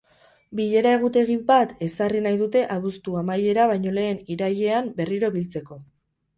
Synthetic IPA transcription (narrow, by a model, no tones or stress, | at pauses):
biʎe̞ɾae̞ɣ̞ut̪e̞ɣibat̪e̞sarinajðut̪e̞ʔaβust̪uamaje̞ɾaβ̞ajɲo̞le̞ːniɾaje̞ambe̞riɾo̞βilt͡se̞ko̞